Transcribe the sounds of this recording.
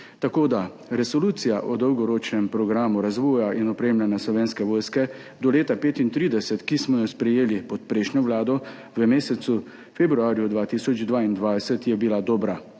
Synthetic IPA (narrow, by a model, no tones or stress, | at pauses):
t̪akoːd̪a | ɾɛsɔluːt̪sijaʔɔd̪ɔwɡɔɾoːt͡ʃnɛmpɾɔɡɾaːmuɾazʋɔːjaʔinɔpɾeːmlʲanjaslɔʋeːnskɛʋɔːjskɛ | d̪ɔleːt̪apeːt̪int̪ɾiːd̪ɛsɛt̪kismɔjɔspɾɛjeːlipɔt̪pɾɛʃnjɔʋlaːd̪ɔ | ʋəmeːsɛsu | febɾuaːɾjud̪ʋaːt̪isɔd͡ʒd̪ʋaːind̪ʋajsɛt̪jɛbilad̪ɔːbɾa